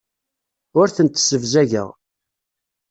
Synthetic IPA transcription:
ʊɾθənt̪səvzæʝə̰ʁ

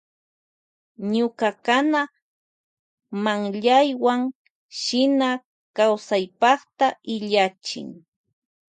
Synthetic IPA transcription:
ɲʊkakana | maŋʎajwaŋ | ʃɪna | kawsajpɑχt̪aɪʎat͡ʃɪ̰ŋ

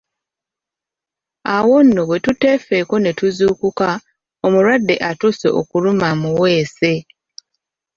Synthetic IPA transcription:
awo̞nːoβwe̞tute̞feko̞ne̞tuzuːkuka | omuɾwadːe̞ʔatusḛʔokulumamuwe̞ːse

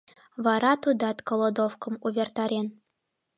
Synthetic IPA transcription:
vɑɾɑt̪ud̪ɑt̪kolˠod̪ofkɤ̆muβʲert̪ɑɾʲen

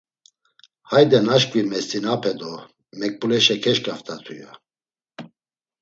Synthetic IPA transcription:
hajd̪ɛnaʃkʼvimɛst̪ʼinapʰɛd̪ɔ | mɛk̚pʼulɛʃɛkʰɛʃkʼaft̪ʰʼat̪ʰuja

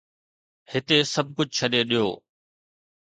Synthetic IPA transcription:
hɪt̪esɐb̚ʱkʊd͡ʑʱt͡ɕʰəɗeɗijo̰ː

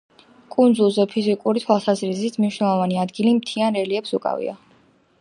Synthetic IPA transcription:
kʼund̪zulˠzɛpʰizikʼuɾit̪ʰwalˠsazɾizit̪ʰmniʃwnɛlˠɔvaniad̪ɡilimt̪ʰianɾɛliɛpsukʼa̰vḭa̰

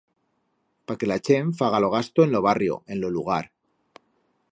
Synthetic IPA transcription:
pake̞lat͡ʃe̞ɱfaɣ̞alo̞ɣ̞ast̪oenlo̞β̞arjo̞̰e̞nloluɣ̞aɾ

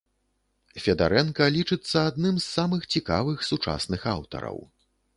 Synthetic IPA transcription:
fʲɐd̪a̰ɾɛnkɐlʲit͡ʂɨt̪sːɐad̪nɨmsːamɨxt͡sʲika̰vɨxsut͡ʂa̰snɨxa̰wt̪ɐ̰ɾɐ̰w

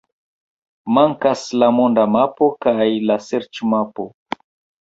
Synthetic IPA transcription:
maŋkaslamondamapo̞kajlaseɾt͡ʃmapo

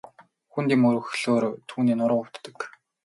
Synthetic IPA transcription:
xunt̪iːmɵɾɵ̆xɮoːrt̪ʰuːniːnʊɾə̆wʊw̥t̪ːə̆k

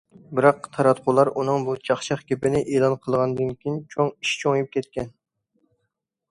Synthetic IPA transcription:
bɪɾɑqt̪ʰɑɾɑt̪qʰʊlˠɑɾunɨŋbut͡ʃʰɑχʃɑχkʲepɪnɪʔeːlˠɑnqʰəlˠʁɑnɨd̪ɨnkʲijint͡ʃʰoŋiʃt͡ʃʰoŋjup̚kʲɛt̪̚kʲɛn

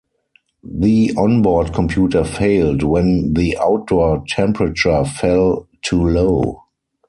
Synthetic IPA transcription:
ðiɔ̃nbɔdkʰɔ̃mpʰjuːtə˞feɪldwɛ̃nðiʔaʊt̚d̥ɔtʰɛ̃mpɹət͡ʃə˞fɛltʰuloʊ

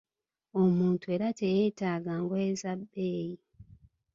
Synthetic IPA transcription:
o̞muːntue̞ːɾatʰejeːtaːɡaŋɡoezabːeːji

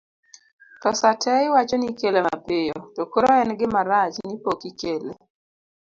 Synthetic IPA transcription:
tɔsatʰɛwat͡ʃɔnikelema̰pɪjɔtɔkoɾɔɛnɡɪmaɾat͡ʃnipokikelḛ

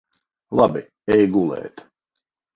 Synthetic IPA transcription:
lˠabi | ɛjɡulˠɛ̰ːt̪

